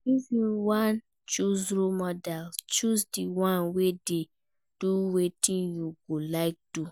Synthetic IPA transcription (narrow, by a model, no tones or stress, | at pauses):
ivĩwãn | t͡ʃuziɾomɔdalt͡ʃusdiwãnwede | d̥uwetĩnjuɡolaɪk̚du